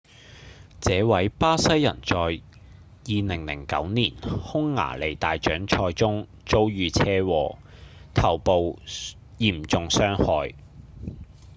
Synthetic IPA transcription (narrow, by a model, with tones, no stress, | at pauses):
t͡sɛː˨˧wɐ˨˥jpaː˥sɐ˥jːɐ˨˩nt͡sɔː˨j | jiː˨nɪ˨˩ŋlɪ̰˨˩ŋkɐ̰˨˥wniː˨˩nhʊ˥ŋːa̰ː˨˩le˨˩jt̪aː˨jt͡ʃœː˨˥ŋt͡ʃʰɔː˧jt͡sʊ˥ŋ | t͡so˥wjyː˧t͡sʰɛː˥wɔː˨˩t̪ʰɐ˨˩wpo˨w | jiː˨˩mt͡sʊ˨ŋsœː˥ŋhɔː˧j